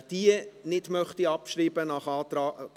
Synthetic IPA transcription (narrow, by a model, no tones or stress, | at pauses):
d̥inɪdmœχtiɑpʃɾiːbənɑχɑːtɑ